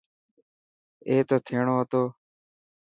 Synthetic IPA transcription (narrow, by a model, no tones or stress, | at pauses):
eːt̪oːt̪ʰeːɳoːɦət̪oː